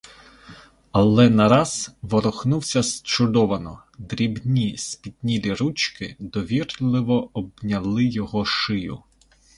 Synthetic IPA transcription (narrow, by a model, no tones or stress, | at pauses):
ɐlˠɛnɐɾɑz̥ʋɔɾɔxnuwsʲɐst͡ʃʊd̪ɔʋɐnɔ | d̪ɾʲibnʲispʲit̪̚ʲnʲilʲiɾut͡ʃkɪd̪ɔʋʲirlˠɪʋɔɔbnʲɐlˠɪjɔɦɔʃɪjʊ̰